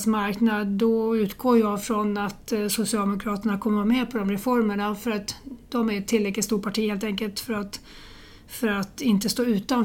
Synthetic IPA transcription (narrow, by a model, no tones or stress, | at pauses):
smaɾknad̪ːɔʉ̟ːt̪ɡoːɾjɑfɾɔnat̪sʊsɪɑld̪ɛmʊkʰɾɑːt̪əɳakʰɔmːəmɛpʰɔd̪ɔmɾɛfɔɾməɳafœɾat̪d̪̥ɔmæɾɛt̪ʰːɪlːɾɛklɪt̪st̪uːʈpʰaʈʰiːheːlt̪ɛŋkəlt̪fœɾat̪ | fœɾat̪ɪnt̪əst̪oːʉ̟ːt̪an